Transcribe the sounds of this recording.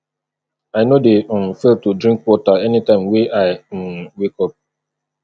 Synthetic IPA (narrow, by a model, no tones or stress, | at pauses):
aɪnodem̩feltudɾĩŋkwɔtaɛnitãɪ̃mweʔaɪm̩wekɔp̚